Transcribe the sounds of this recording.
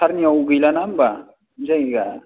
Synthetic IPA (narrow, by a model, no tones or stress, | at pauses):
aɾniawɡɯjlanamba | d͡ʒajɡa